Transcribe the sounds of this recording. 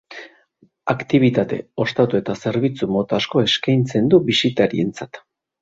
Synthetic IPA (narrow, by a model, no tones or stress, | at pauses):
akt̪iβ̞it̪at̪e̞̰o̞st̪at̪ue̞t̪ase̞ɾβ̞it͡sumo̞t̪asko̞e̞skajnt͡se̞nd̪uβisit̪aɾie̞nt͡sat̪